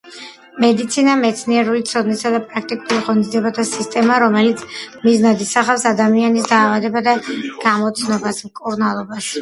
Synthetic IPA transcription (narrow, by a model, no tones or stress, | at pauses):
mɛd̪it̪sʰinamɛt̪sʰniɛɾulit̪sʰɔd̪nisad̪apʼɾak̚ʰt̪ʼikʼuliʁɔnid̪ziɛbat̪ʰasist̪ʼɛmaɾɔmɛlit̪sʰmiznad̪isaχafsad̪amianisd̪aːvad̪ɛbad̪aɡ̥amɔt̪sʰnɔbasmkʼuɾnalˠɔbaʃi̥